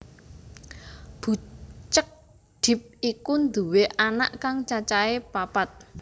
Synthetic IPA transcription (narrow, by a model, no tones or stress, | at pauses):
b̥ṳt͡ʃək̚ | d̪̥ɪ̤p̚ikund̪ṳweʔana̰ʔkaŋt͡ʃat͡ʃaepapat̪̚